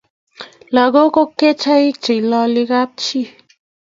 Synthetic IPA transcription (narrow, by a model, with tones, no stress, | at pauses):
la˨ɡo˦ko˦kːe˦t͡ʃʰa˦i˦k̚t͡ʃi˨lɔ˧li˧ka˦p̚t͡ʃi˦˨